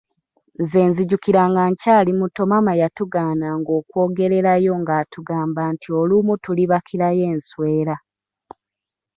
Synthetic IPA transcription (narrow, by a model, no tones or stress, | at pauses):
ze̞ːnziɟukiɾaːŋɡaɲcaːlimuto̞mamajatuɡaːnaŋɡo̞ːkwo̞ːɡe̞ɾe̞ɾajo̞ŋɡaːtuɡaːmbantʰiolumutuliβakʰiɾaje̞ːnswe̞ːɾa